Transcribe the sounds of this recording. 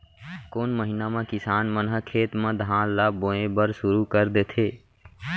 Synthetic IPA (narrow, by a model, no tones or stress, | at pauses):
koːnməɦɪnamẽkɪsaːnmənɦəkʰeːt̪mẽd̪ʱãːlaːbõːẽbəɾsʊɾukəɾd̪eːt̪ʰeː